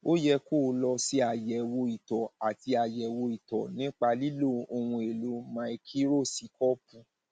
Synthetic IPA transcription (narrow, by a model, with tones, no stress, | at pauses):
o˦jɛ˧koː˦˨˦lɔ˧si˦a˨jɛ˨wo˧i˨tɔ˨a˨ti˧a˨jɛ˨wo˧i˨tɔ˨nĩ˦k͡pa˧li˦lo˦˨o˧w̃ũ˧e˨lo˨˦mã˧e˧kʰi˦ɾo˦˨si˧kɔ˦pũ˧˦